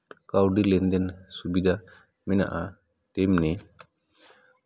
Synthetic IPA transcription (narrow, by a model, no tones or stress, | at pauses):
kawɖilɛnd̪ɛnsubid̪ʱa | mɛna̰ʔa | t̪ɛmnɛ